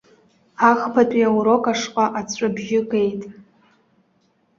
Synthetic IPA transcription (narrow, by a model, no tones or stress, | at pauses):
aχpʰatʷʼiawɾo̞kʼaʂqʷʼaʔat͡sʷʰʼabʒɪkʼe̞jtʼ